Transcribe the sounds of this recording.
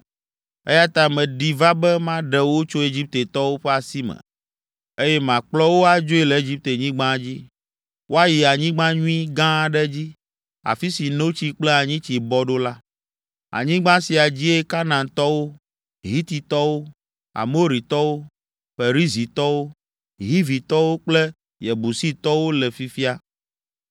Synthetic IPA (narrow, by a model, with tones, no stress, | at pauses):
ḛ˦ja˦t̪a˦mɛ̃˨ɖi˨va˦bɛ˦mã˦ɖɛ˨wo˦t͡ʃo˦e˦d͡ʑi˦p̚t̪e˨t̪ɔ˦wo˦ɸɛ˦a˨si˦mɛ̰˨ | e˦jɛ˦mã˨k͡plɔ˦wo˦a˨d͡ʒo˦e˦lɛ˨e˦d͡ʑi˦p̚t̪e˨ɲĩ˦ɡ͡bã˦d͡ʑi˦ | wʔo˦a˦ji˨a˨ɲĩ˦ɡ͡bã˦ɲũ˦ĩ˦ɡã˦˨ɖɛ˦d͡ʑi˦ | a̰˨fi˦si˨no˦t͡ɕi˦k͡plɛ˦a˨ɲĩ˦t͡ɕi˨bɔ˦ɖo˦la˦ | a̰˨ɲĩ˦ɡ͡bã˦si˨a˨d͡ʑi˦e˦ka˦nã˨nt̪ɔ˦wo˦ | ɦi˦t̪i˨t̪ɔ˦wo˦ | a̰˨mo˦ɾi˨t̪ɔ˦wo˦ | fe˨ɾi˦zi˨t̪ɔ˦wo˦ | ɦi˦vi˨t̪ɔ˦wo˦k͡plɛ˦ | jɛ˨bu˨si˦t̪ɔ˦wo˦lɛ˨fi˦fi˦a˦